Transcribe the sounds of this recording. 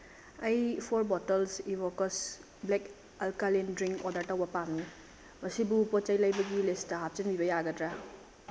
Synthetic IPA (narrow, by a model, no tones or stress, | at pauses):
ɐjpʰoɾbɔtɐlsibokɐs | blek | ɐlkalindɾiŋkɔdɐɾtɐwbɐpamni | mɐsibupot͡ʃɐjlɐjbɐɡilistɐɦap̚t͡ʃɐnbibɐjaɡɐdɾa